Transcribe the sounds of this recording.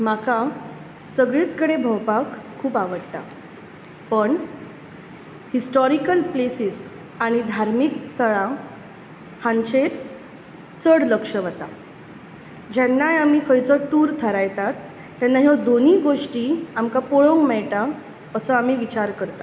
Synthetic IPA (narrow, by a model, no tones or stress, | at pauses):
maka | səɡɭit͡skəɽebʱəwpakʰːuːpaʋəɽt̪a̰ | pəɳ | hisʈɔɾikəlplesis | aɽ̃id̪ʱaɾmik̚t̪ʰəɭã | hãnt͡ɕeɾ | t͡səɽləkʂəʋət̪a | d͡ʑɛnːajamiːkʰəjt͡sɔʈuːɾt̪ʰəɾajt̪at̪ː | anːaɦjɔd̪oniːɡoʂʈiːamkapoɭoŋkmɛɭt̪a | əsɔamiːʋit͡ɕaɾkəɾt̪a